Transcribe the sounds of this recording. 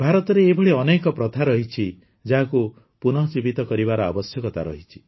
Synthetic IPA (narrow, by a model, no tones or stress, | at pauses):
bʱaɾɔt̪ɔɾeːbʱɔɭiɔnekɔpɾɔt̪ʰaɾɔɦit͡ʃʰi | d͡ʒaɦaku | punɔt͡ʃibit̪ɔkɔɾibaɾɔa̰bɔsjɔkɔt̪aɾɔ̰ɦit͡ʃʰi̥